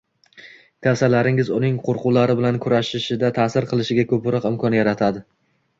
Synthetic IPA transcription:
kʲʰawsalaɾɪŋɪzʊnɪŋqʰoɾqʊlaɾɪbɪlankʰʊɾaʃɪʃɪd̪at̪ʰaːsɪɾqʰɨlˠɪʃɪɡʲakʰɵpɾɒqɪmkʰɒnjaɾat̪ʰad̪ɪ

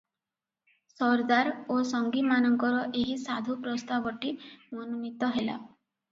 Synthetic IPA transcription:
sɔɾd̪aɾosɔŋɡimanɔŋkɔɾɔʔeɦisad̪ʱupɾɔst̪abɔʈimɔnunit̪ɔɦela̰

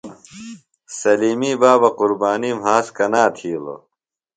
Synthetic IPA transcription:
sɐliːmiːbaːbɐquɾbaːniːmɦaːskɐnaːt̪ʰiːlo̰

